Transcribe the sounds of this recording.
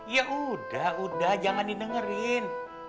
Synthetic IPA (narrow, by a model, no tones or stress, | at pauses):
jaʔudahudahd͡ʒaŋandinəŋəɾɪn